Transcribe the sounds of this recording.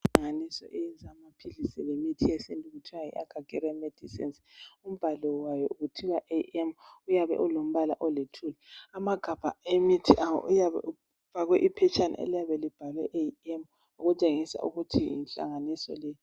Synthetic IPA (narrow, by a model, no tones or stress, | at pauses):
aŋanisɔ̰ʔejind͡zʱamapʰilisɛ̰lemitʰiesindʱʼuɣutʰiajḭʔa̰ɡ̥ʱaɡ̥ʱɛɾɛmɛd̥ʱisḭns | um̩b̥ʱalɔwajɔuɣutʰiɣaʔeɛmujaβɛ̰ʔulom̩βalaʔɔletʰulɛamaɡ̥ʱab̥ʱaemitʰiʔawɔ̰ujaβɛ̰u | v̥ʱaɣwɛʔipʰɛt͡ʃʰʼana̰ḛlijaβɛlib̥ʱalwɛʔeɛm | uɣut͡ʃʼeŋisa̰ṵɣutʰiḭnɬa̰ŋanisɔ̰lɛ